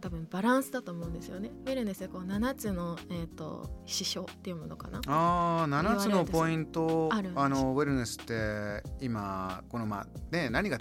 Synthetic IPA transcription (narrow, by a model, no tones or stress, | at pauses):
t̪abɯ̟̃mb̥aɾãɰ̃sɨd̪at̪o̞ːmo̞ɯ̃nd̪e̞sɨjo̞ne̞weɾɯ̟nesɨeko̞ːnanat͡sɨno̞et̪ːo̰ɕiɕo̞̰ːt̪ːe̞iɯ̟mo̞noka̰na̰aːnanat͡sɨnopo̞ĩnt̪o̞aɾɯano̞βeɾɯ̟nesɨ̥t̪ːe̞imako̞no̞ma̰ːne̞naɲ̟ika